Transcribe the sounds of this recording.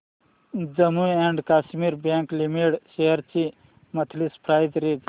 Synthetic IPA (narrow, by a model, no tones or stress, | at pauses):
d͡ʒəmueɳɖkaːʃmiɾbãŋklimiʈseɦəɾt͡ʃi | mɐt̪ʰlispʰɾaːjd̪ɾed̪